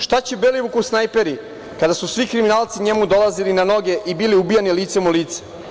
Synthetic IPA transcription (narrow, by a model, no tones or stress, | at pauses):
ʃt̪at͡ɕebeliʋukusnajpe̞ɾi | kad̪asusʋikɾiminaːlˠt̪siɲe̞mud̪o̞lˠazilinano̞ɡe̞ʔibiliubijaniliːt̪semuliːt̪se̥